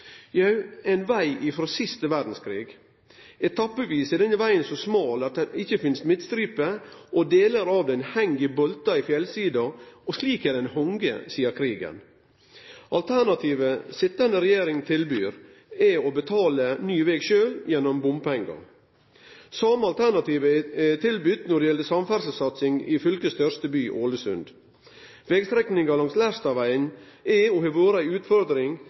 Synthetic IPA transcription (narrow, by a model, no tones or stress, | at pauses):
jɑʉɛnʋæɪʔɪfɾoːsɪst̪əʋæd̪n̩skʰɾiːɡ | ɛt̪ʰɑpːəʋiːsɪd̪ɛnəʋæɪənsɔsmɑːlɑt̪̚d̪ɛɪçːəfɪnst̪mɪt̪st̪ɾiːpəʔɔd̪eːləɾɑːʋd̪ɛnhɛŋɡɪbɔlt̪ɑɪfjɛlsiːd̪ɑɔsliːkɛd̪ɛnhɔŋɡə̰siːəɾkʰɾiːɡə̰n | ʔɑlt̪ʰænɑt̪ʰiːʋəsɪt̪ːɑnəɾɛjeːɾɪŋt̪ʰɪlbyːɾ | ɛɔbət̪ʰɑːlənyːʋɛːɡʃøːljɛnːɔmbʊmpɛŋɡɑ̰ | sɑmːəɑlt̪ʰæɾɳnɑt̪iːʋət̪ʰɪlbʏt̪nɔɖɛjɛləsɑmfæɾsəsɑt̪sɪŋɪ̰fʏlkəst̪ʰœɾst̪əbyːʔoːləsʉ̰nd̪ | ʋɛɡst̪ɾɛknɪŋɑlɑŋslæst̪ɑʋæɪənɛɔhɛʋoːɾəæɪʉːt̪fɔɾd̪ɾɪŋ